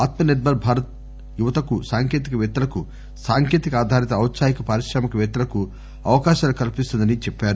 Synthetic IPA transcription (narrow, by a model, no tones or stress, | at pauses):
aːt̪mɐned̪̚bʱɐɾbʱaːɾɐt̪̚ | juʋɐt̪ɐkusaːŋkeːt̪ikɐʋɛːt̪ɐlɐku | saːŋkjeːt̪ikɐaːd̪ʱaːɾit̪ɐːwt̪saːjikɐpaːɾiʃɾaːmɐkɐʋɛːt̪ɐlɐku | ɐʋɐkaːʃaːlukɐlipist̪und̪ɐnit͡ʃɛpːaːɾu